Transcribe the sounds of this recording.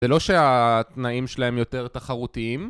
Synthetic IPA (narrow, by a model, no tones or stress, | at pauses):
zelo̞ʃe̞at̪naimʃelaɦe̞mjo̞t̪e̞ʁt̪aχaʁut̪iim